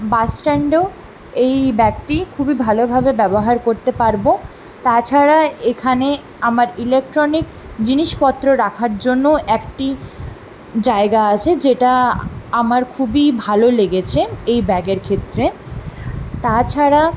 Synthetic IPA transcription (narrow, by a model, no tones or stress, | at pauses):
basʈɛɳɖe | ejbɛk̚ʈikʰubibʱalobʱabebɛboɦaɾkoɾt̪epaɾbo | t̪at͡ɕʰaɾaekʰane | amaɾilek̚ʈɾonik | d͡ʑiniʃpɔt̪ːɾoɾakʰaɾd͡ʑonːoʔɛkʈi | d͡ʑaeɡaat͡ɕʰed͡ʑeʈaamaɾkʰubibʱaloleɡet͡ɕʰeejbɛɡeɾkʰet̪ːɾe | t̪at͡ɕʰaɾa